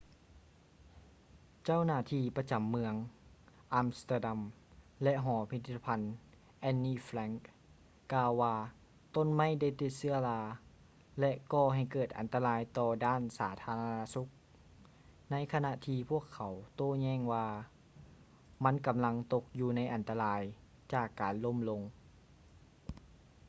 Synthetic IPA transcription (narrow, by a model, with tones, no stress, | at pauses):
t͡ɕa˥˨wnaː˧˩t̪ʰiː˧˩pa˧t͡ɕa˨˦mːɯ˧əŋʔaː˧mst̪a˧˩da˧m | lɛ˧˥ʔɦɔː˩˦pʰi˧t̪ʰi˧t̪ʰːpʰa˧˥n | ʔɛ˧˥nːiː˧˩flɛ˧˥ŋkː | aː˧wːaː˧ | t̪o˧˥˨nma˧˥˨jda˧˥˩jt̪i˧˩t̪̚sɯ˧˥ɐlaː˧ | lɛ˧ʔkɔː˧˩ɦa˨˩jkɤː˨˩t̪̚ʔa̰˨˩nt̪a˧laː˧jt̪ɔː˧daː˥˩˨nsaː˩˦t̪ʰaː˧˥la˧na˧su˧˦k̚ | na˧˥jkʰa˧na˧ʔt̪ʰiː˧pʰu˥˩əkʰːa˨˦wt̪oː˧˥˨ɲɛː˧˩˨ŋwaː˧ | ma˧˥˨nka˨mla˧ŋt̪o˧k̚juː˧na˧˥jʔa˨nt̪a˧laː˨˧j | t͡ɕaː˨˩kːaː˨˩nlo˧˥˨mlo˧ŋ